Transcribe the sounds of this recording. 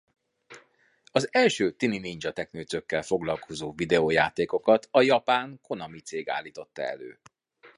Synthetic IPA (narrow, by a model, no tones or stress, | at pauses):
ɒzɛlʃøːt̪ininind͡ʒɒt̪ɛknøːsø̞kːɛlfo̞ɡlɒlkʰo̞zoːvid̪ɛoːjaːt̪eːko̞kɒt̪ʰɒjɒpaːŋko̞nɒmit̪seːɡa̰ːlːiːt̪o̞t̪ːɒ̰ɛ̰lø̰ː